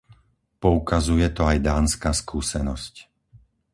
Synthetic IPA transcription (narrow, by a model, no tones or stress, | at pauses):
pɔukazujɛt̪ɔajd̪aːnskaːskuːsɛnɔsc